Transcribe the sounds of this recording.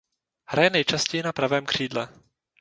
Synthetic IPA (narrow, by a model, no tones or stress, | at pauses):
hɾajɛnɛjt͡ʃascɛjɪnapɾavɛːmkr̝̥iːdlɛ